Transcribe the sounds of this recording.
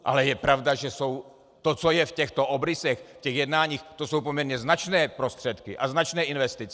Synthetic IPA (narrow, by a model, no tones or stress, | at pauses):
ʔa̰lɛjɛpɾavdaʒɛsow | t̪ot͡sojɛfcɛxt̪oobɾɪsɛxfcɛɣjɛdnaːɲiːxt̪osowpomɲɛɾɲɛznat͡ʃnɛːpɾost̪r̥ɛt̪kḭʔaznat͡ʃnɛːinvɛst̪it͡sɛ